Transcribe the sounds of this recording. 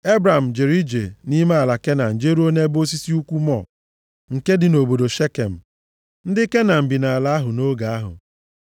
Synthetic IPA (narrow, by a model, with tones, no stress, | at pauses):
e˦bɾa˨m̩˨d͡ʒe˨ɾi˦d͡ʒḛ˨ni˦me˦a˨la˨ke˦na˨n̩˨d͡ʒe˦ɾu˦o˦ne˦bo˦s̬i˦si˦u˦kʷu˦mɔ̰˦˨ | ŋ̩˨ke˦dɪ˨no˨bo˨do˨ʃe˦ke˨m̩˨ | n̩˦dɪ˦ke˦na˨m̩˨bi˨na˨a˨la˦ɦʊ˨no˦ɡa˨a˦ɦʊ̰˨